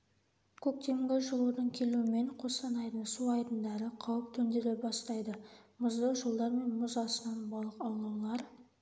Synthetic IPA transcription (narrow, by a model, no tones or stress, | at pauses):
kʲʰɵk̚t̪e̞mɡʲɪʒəlˠud̪əɴkʲʰe̞luɪme̞ɴqʰo̞sɑnɑjd̪əɴsuɑjd̪ənd̪ɑɾəqʰɑwəp̚t̪ʰɵnd̪e̞lebɑst̪ɑjd̪əmʊzd̪əʒəlˠd̪ɑɾme̞nmʊzɑsənɑnbɑlˠəqɑwlˠɑwlˠɑɾ